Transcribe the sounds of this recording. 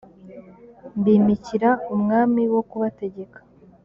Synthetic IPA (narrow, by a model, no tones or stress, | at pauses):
mbiːmiciɾaumŋaːmiwo̞kuβate̞ɟe̞kḁ